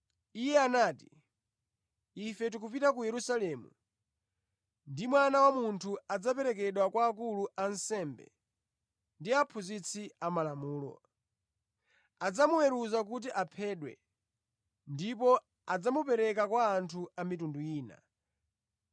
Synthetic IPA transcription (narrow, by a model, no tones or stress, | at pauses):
ijɛanaːti̥ | ifɛt̬ukupitakujɛɾusalɛmṵ | ndimwanawamuntʰuad͡zapɛɾɛkɛɗwakwaːkuluʔansɛmbɛ̰ | ndiapʰuzit͡sʰiamalamuːlɔ̰ | ad͡zamuwɛɾuzak̬ut̬iʔapʰɛːɗwɛ̰ | ndipɔ | ad͡zamupɛɾɛk̬akwaːntʰuamitunduiːna̰